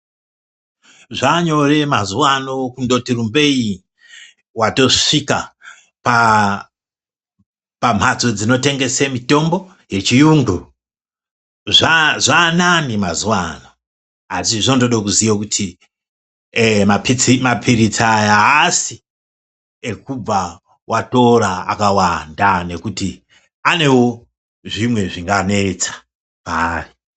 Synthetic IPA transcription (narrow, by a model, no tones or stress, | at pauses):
ʐaɲo̞re̞mazuwanokundo̞tirumbe̞i | wato̞ʂika | pa | pam̤at͡sod͡zino̞te̞ŋɡe̞semito̞mbo̞ | je̞t͡ʃijuːŋɡu | ʐaʐananimazuwano̞ | asiʐontoɗok̬uzijakutʰi | mapiimapʰiɾit͡sajaɦasi | e̞kub͡va | wʔato̞ɾaa̰kawandane̞kuti | ane̞wo | ʐimwe̞ʐiŋɡane̞t͡sḁ | pari